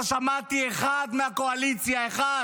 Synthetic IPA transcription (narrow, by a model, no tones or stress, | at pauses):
ʃamat̪ieχad̪meako̞alit͡sjae̞χa